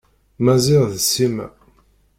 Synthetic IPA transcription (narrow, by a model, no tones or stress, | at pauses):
mæzɪʁðsimæ̰